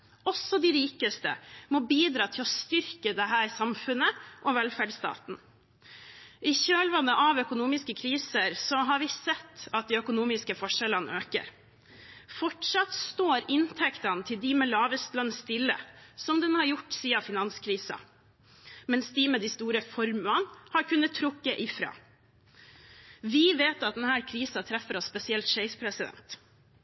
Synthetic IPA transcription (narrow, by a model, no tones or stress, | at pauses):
ɔsːɔd̪ɪɾiːkəst̪ə̰mɔbiːd̪ɾɑːt̪ʰɪlɔst̪ʏɾkəd̪ɛɦæːɾsɑmfʉnəʔɔʋɛlfæɖst̪ɑ̰ːt̪n̩ | ʔɪɕøːlʋɑnəʔɑʋœkʊnuːmɪskəkʰɾiːsəɾsɔɦɑɾʋɪsɛt̪ːɑt̪̚d̪ɪœkʊnuːmɪskəfɔʂɛlɑnʔøːkə̰ɾ | fɔʈʂɑt̪st̪oːɾɪnt̪ʰɛkt̪ɑnt̪ʰɪld̪ɪmɛlɑːʋəst̪lœnst̪ɪlːə̰sɔmd̪ɛnhɑɾjʊʈːsiːɑfɪnɑnskʰɾiːsɑ̰ | mɛnsd̪imɛd̪ɪst̪uːɾəfɔɾmʉɑnhɑɾkʉnːət̪ʰːɾʊkːəʔɪfɾɑ̰ː | ʋɪʋeːt̪ɑt̪̚d̪ɛnhæːɾkʰɾiːsɑt̪ʰɾɛfːəɾɔsspɛsɪɛlt̪ʃɛɪspʰɾɛsɪd̪ɛ̰nt̪